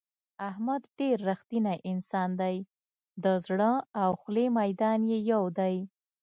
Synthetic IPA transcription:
ahmad̪ɖeɾːaxt̪inaʔɪnsɑnd̪aj | d̪əzɽəawxlemajd̪ɑnjejawd̪aj

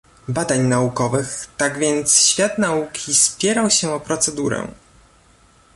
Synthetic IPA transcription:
bad̪aɲnaukɔvɘxt̪aɡvʲjɛnt̪sɕfʲjat̪naukʲʰispʲjɛɾawɕɛɔpɾɔt̪sɛd̪uɾɛ̰

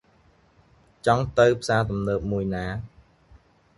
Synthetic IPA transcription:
t͡ɕɑŋt̪əwpʰsaːt̪umnəːp̚muəjnaː

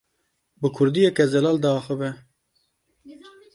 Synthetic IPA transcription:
bɨkʰʊɾd̪ijɛkɛzɛlɑːld̪ɑːxəbɛ

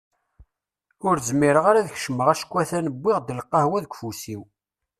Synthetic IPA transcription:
ʊɾzmːiɾəʁaɾæðəçʃəmːəʁæʃə̥kʷːæθænəbʷːɪʁd̪əlqːɑhwæðəkʷfusiw

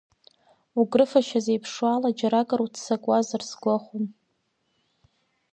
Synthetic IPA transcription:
uɡʼrɨfaʃazejpʰʂwalad͡ʒaɾakʼaɾutʰsakʼazarsɡʷaχʷum

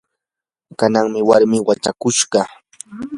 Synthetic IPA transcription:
kanaŋmɪwaɾmɪwat͡ʃakʊʃɢɑ

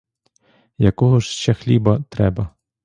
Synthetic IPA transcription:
jɐkɔɦɔʃʃt͡ʃɛxlʲibɐt̪ɾɛbɐ

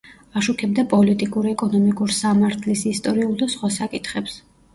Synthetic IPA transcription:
aʃukʰɛb̚d̪apʼɔlit̪ʼikʼuɾiɛkʼɔnɔmikʼuɾsamaɾt̪ʰlisist̪ʼɔɾiulˠd̪asχwasakʼit̪ʰχɛps

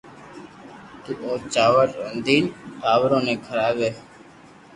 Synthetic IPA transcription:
t̪uːʔoːt͡ʃaːʋəʈənd̪iːnʈ̪aːʋɾõːnẽːkʰəɾaːbeː

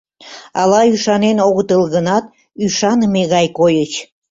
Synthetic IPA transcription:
ɑlɑyʃɑnenoɣət̪əlˠɣənɑt̪ | yʃɑnmeɣɑjkojət͡ɕ

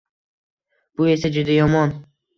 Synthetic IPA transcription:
b̥ʊe̞sad͡ʒʊd̪ajɒmɒn

